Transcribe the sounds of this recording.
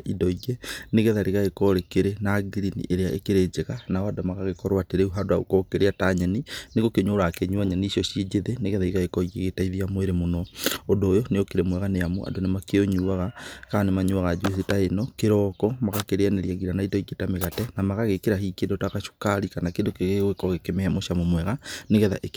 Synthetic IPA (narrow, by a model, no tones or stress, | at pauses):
idɔiɡeneɣɛðaɾiɣaɣekɔɾekeɾenaɡiɾinḭʔeɾeaʔḛkeɾed͡ʒeɣanaadamaɣaɣekɔɾwateɾeuɦadwaṵkɔkeɾeataɲɛnineɣokeɲoːɾakeɲuaɲaniːʃɔʃid͡ʒeðeneɣɛðaiɣaekɔiɣeɣetaiðiamweɾemonɔondoːjɔneokeɾemwɛɣaneamo̰a̰donemakeoɲuaɣakanemaɲuaɣad͡ʒweθetaenɔkeɾɔkɔmaɣakeɾeaneɾiaɣiɾanaitɔiɡetameɣatɛnamaɣaɣekeɾahikendɔtakaʃu̥kaɾikanakendokeɣeɣwekɔɣekemɛɛmoʃamomwɛɣaneɣɛða̰ʔek